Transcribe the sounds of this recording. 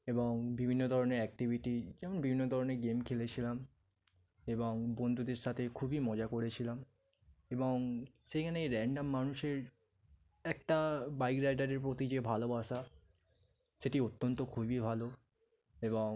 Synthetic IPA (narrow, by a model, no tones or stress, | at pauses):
eboŋbibʱinːod̪ʱɔɾoneɾɛk̚ʈibʱiʈid͡ʑɛmonbibʱinːod̪ʱɔɾoneɾɡemkʰelet͡ɕʰilam | eboŋbond̪ʱud̪eɾʃat̪ʰekʰubimɔd͡ʑakoɾet͡ɕʰilam | eboŋʃekʰaneeɾɛɳɖamːanuʃeɾ | ɛk̚ʈabajkɾajʈaɾeɾpɾot̪id͡ʑebʱalobaʃa | ʃeʈiot̪ːont̪okʰubibʱalo | eboŋ